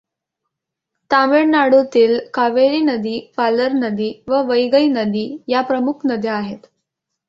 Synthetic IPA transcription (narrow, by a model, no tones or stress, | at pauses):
t̪ameɽnaɽut̪iːlkaʋeɾiːnəd̪iːpaləɾnəd̪iːʋəʋəjɡəinəd̪iːjapɾəmukʰnəd̪ʱjaaɦet̪